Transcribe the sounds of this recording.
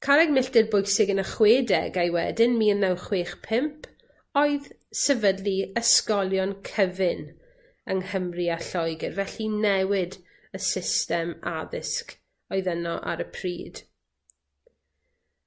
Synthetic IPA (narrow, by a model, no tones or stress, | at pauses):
kʰalɛɡmɪɬdɪrbʊjsɪɡənəχweːdɛ̰ɡajwɛ̰dɪnmiːənːɛwχweːχpʰɪmpʰ | ɔɨð | sɛvədliəskɔlˠjɔnkʰəvɪn | əŋhəmriaɬɔjɡɛrvɛɬinɛwɪd | əsɪstɛma̰ðɪsk | ɔɨðənɔʔa̰ɾəpʰriːd̥